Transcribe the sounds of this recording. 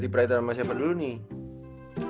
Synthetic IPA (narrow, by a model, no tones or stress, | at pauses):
dipɾait̪anamas̬iapauni